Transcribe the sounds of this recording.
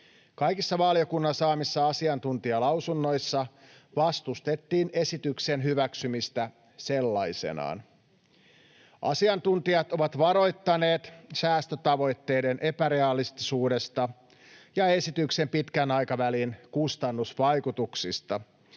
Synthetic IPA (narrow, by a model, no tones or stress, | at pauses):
kɑjkisːɑʋɑlio̞kunːɑsɑːmisːɑɑsiɑnt̪unt̪iɑlɑwsunːo̞jsːɑ | ʋɑst̪ust̪e̞t̪ːiːne̞sit̪ykse̞nɦyʋæksymist̪æ | se̞lːɑjse̞̰nɑ̰ːn | ʔɑ̰siɑnt̪unt̪iɑt̪o̞ʋɑt̪ʋɑɾo̞jt̪ːɑne̞ːt̪sæːst̪øt̪ɑʋo̞jt̪ːe̞jde̞nʔe̞pæɾe̞ɑlist̪isuːde̞st̪ɑ | jɑe̞sit̪ykse̞mpit̪kænɑjkɑʋælinkust̪ɑnːusʋɑjkut̪uksist̪ɑ